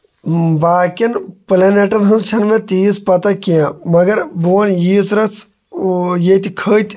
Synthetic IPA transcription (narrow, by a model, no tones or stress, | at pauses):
baːkinpleːneʈɐnɦɐnt͡ʃʰɐnmẽt̪iːspɐt̪akijãːmɐɡɐɾboːnjiːsɾɐt͡s | jet̪ikʰəːt̪ʲ